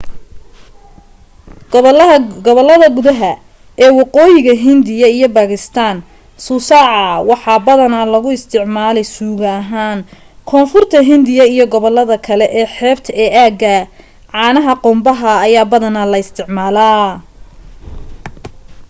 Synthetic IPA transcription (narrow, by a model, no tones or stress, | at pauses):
ɡɔβɔlːɐðɐɡʊðɐɦɐ | ɛːwɑqɔːjɪɣɐɦɪnd̪ɪjɐijɞbaːɣɪst̪ʰaːn | sʊsɑːʕɑwɑħɑːbɐðɐnɐlɐɣʊɪst̪ʰɪʕmaːlɛjsuːɣɐɦaːn | kʰɔːnfʊrt̪ʰɐɦɪnd̪ɪjɐijɔɡɔβɔlːɐðɐkʰɐlɛʔɛːħɛːbt̪ʰɐɛːʔaːɡɐ | ʕɑːnɐɦɐqʊmbɐɦɐːjaːbɐðɐnɐlɐɪst̪ʰɪʕmaːlaː